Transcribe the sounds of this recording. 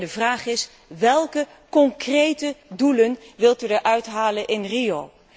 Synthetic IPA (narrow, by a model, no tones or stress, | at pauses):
dəvraːχɪs | ʋɛlˠkə | kɔŋkrejtədulənʋɪlˠtydəɹʔœɥtɦaːlənʔɪnrijow